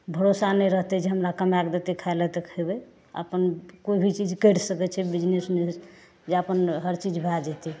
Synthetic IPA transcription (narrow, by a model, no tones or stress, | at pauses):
bʱəɾosanəjɾəɦt̪ɛd͡ʒeɦəmɾakəmakd̪et̪ikʰaelɛt̪ekʰebɛ | ə̰pənkoibʱit͡ʃid͡ʒkəɾsəkɛt͡ʃʰɛbid͡ʒnesne | d͡ʒeəpənɦəɾt͡ʃid͡ʒbʱad͡ʒɛt̪i